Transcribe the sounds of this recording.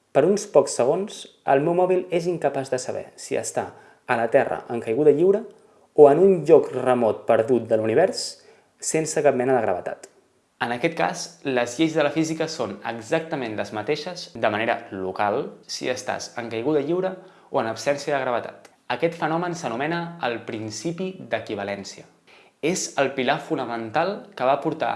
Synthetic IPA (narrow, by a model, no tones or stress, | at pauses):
pəɾunspɔksəɣ̞onsə̰lˠmɛwmɔβileziŋkəpazðəsəβɛ̰siə̰st̪a̰ | ələt̪ɛrə̰ʔəŋkəjɣuðəʎiwɾə | oənunʎɔkrəmɔt̪̚pəɾðut̪̚d̪əluniβ̞ɛɾsː | ensəkap̚mɛnəðəɣɾəβət̪a̰t̪ | ənəkɛt̪̚ka̰zləzʎejzðələfizikəsonə̰ɡzak̚t̪əmẽnləzmət̪eʃəzd̪əməneɾə̰lukalˠsḭəst̪a̰zəŋkəjɣ̞uðəʎiwɾə | oənəpsɛnsiəðəɣɾəβ̞ət̪a̰t̪ | əkɛt̪fənɔmənsənumɛnəːlˠpɾinsipid̪əkiβ̞əlɛnsiə | ezəlˠpilafunəmənt̪alˠkəβapuɾt̪a̰